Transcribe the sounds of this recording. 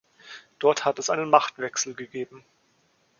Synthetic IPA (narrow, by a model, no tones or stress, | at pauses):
d̥ɔɐthatɛsʔaɪnənmaχtv̥ɛksl̩ɡəɡeːbm̩